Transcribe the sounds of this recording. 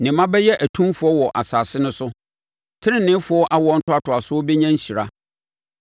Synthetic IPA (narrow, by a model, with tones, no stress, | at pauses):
nɪ̃˨mã˦bɛ˦jɛ˦ʔæ˨tʰũ˦mfʊ˨˦ɔ˦wɔ˨ʔa̰˨saː˨sɪ˦nʊ̃˦sʊ˦ | tʰɪ˦ɪ̃˦nɪ̃˦fʊ˨˦ɔ˦ʔa˦wɔ˦n̩˦tʰʊ˦a˦tʰʊ˨a˨sʊ˦ɔ˦be˦ɲã˦ɲ˦ɕi˨ɾa̰˦